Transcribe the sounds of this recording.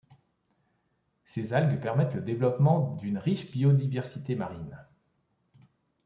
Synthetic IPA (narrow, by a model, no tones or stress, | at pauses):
sezalɡpɛʁmɛt̪ləd̪evlɔpmɑ̃d̪ynʁiʃbiɔd̪ivɛʁsit̪emaʁin